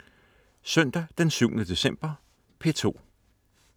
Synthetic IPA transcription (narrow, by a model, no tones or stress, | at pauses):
sœn̰d̥æd̥ensyʊnəd̥e̝sem̰b̥ɐ | pʰe̝t͡sʰo̝̰ː